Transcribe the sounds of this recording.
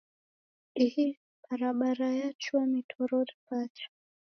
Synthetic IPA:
ihi | b̥aɾaɓaɾajat͡ʃuamitʰɔɾɔɾipat͡ʃḁ

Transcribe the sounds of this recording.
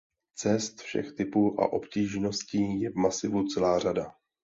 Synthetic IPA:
t͡sɛst̪fʃɛ̰xt̪ɪpuːʔa̰ʔo̞pciːʒno̞sciːjɛvmasɪvut͡sɛlaːr̝ada

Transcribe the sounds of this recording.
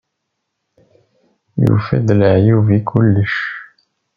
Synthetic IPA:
jṵfæd̪ləʕjuvikʰʊlːəʃ

